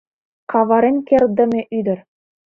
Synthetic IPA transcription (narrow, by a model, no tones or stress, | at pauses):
kɑʋɑɾʲenʲkʲerʲd̪ɘ̆mʲĕʔyd̪ʲɘ̆rʲ